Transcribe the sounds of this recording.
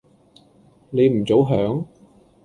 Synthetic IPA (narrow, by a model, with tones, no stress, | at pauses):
le˨˧jm̩˨˩t͡so˨˥wɦœː˨˥ŋ